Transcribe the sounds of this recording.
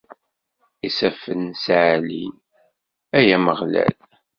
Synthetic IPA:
isæfənsʕlḭn | æjæməʁlæ̰l

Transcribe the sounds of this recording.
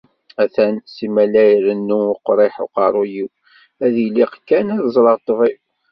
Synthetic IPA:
æθænsimælæjɾənːuʊqɾˤeħo̰qɑɾˤujiw | æðiliqkːænæðzˤɾˤəʁt̪ˤːvi

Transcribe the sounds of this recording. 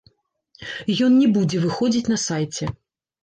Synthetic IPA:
jɔnnʲɛbud͡zʲɛvɨxɔd͡zʲit͡sʲn̪ɐsajt͡sʲɛ

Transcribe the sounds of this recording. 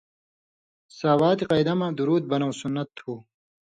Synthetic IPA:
saːwaːt̪iqɐjd̪ɐmad̪uɾuːd̪̚bɐnɐwsunːɐt̪ʰːuː

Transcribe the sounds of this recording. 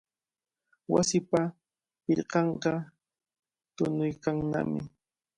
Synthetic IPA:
wa̰sɪpa | pɪʎqɑɴɢɑ | t̪ʊnʊjkaŋna̰mɪ̰

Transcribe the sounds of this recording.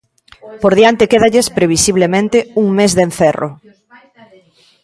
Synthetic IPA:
poɾðiant̪ɪkeðaʎespɾeβ̞isiβ̞lemẽnt̪ɪuŋmezðenθɛro̰

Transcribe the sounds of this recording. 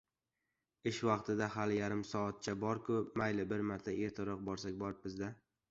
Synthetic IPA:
ɪʃvɑqt̪ʰɪd̪ahaljaɾɪmsɒːt̪̚t͡ʃʰabɒɾkʰʊmajlɪbɪɾmaɾt̪ʰaʔe̞ɾt̪ʰɪɾɒq̚bɒɾsakʲbɒɾɪp̚bɪzd̪a

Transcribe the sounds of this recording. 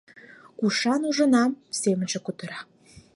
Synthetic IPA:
kuʃɑnuʒə̆nɑmsemənʒekut̪ə̆ɾɑ

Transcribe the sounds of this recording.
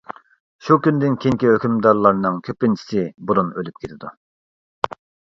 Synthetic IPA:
ʃukʲynd̪ɪnkʲʰeŋkʲiɦøkʲymd̪ɑɾlˠɑɾnɨŋkʲʰøpːɪnt͡ʃʰi̥sɪbuɾunølyp̚kʲʰet̪ʰɪd̪u

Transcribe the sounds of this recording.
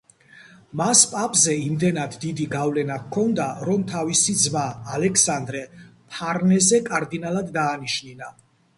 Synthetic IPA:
maspʼapʼzɛimd̪ɛnad̪ːid̪iɡavlɛnakʰɔnd̪aɾɔmt̪ʰavisid̪zmaːlɛksand̪ɾɛpʰaɾnɛzɛkʼaɾd̪inalad̪ːaːniʃnina

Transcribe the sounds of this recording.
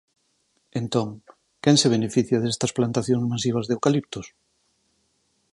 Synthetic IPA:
ent̪oŋ | kɛŋseβ̞enefiθjaðest̪ɐsplant̪aθjõŋzmasiβ̞ɐzðewkalip̚t̪os

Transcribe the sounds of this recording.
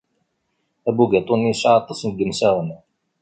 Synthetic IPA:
æbuɡæt̪ˤonːisʕɑt̪ˤːɑsnɡːəmsæʁən

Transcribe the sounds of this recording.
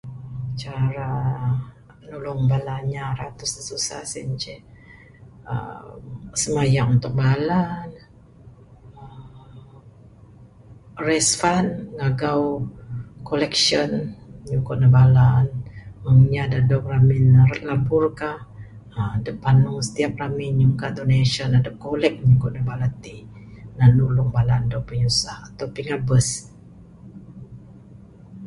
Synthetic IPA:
t͡ʃaɾa | pənulʊŋbalaɲaɾat̪ʊsəsusa̰hsimt͡ʃɛ | ə̰msəmajaŋunt̪ʊk̚balan | ə | rɛsfanŋaɡaw | kolɛkʃɔnɲukʊʔ̚nəbalanəŋɲadadɔʔraminəlabʊrkah | adəpanusə̥t̪iap̚raminɲuŋkadoneʃɔnadəʔ̚kolɛk̚ɲukʊʔ̚nəbalat̪inanulʊŋbalandɔʔpəɲusahat̪awpiŋabəs

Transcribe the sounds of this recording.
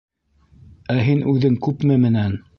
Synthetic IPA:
æɦinʔʉðɘŋkʉpmɘmɘ̆næn

